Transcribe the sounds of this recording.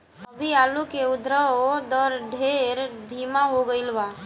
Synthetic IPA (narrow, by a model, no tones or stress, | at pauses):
əbʱiaːlukeʊd̪ʱɾəod̪əɾɖʱeɾd̪ʱimaɦoɡəɪlʋa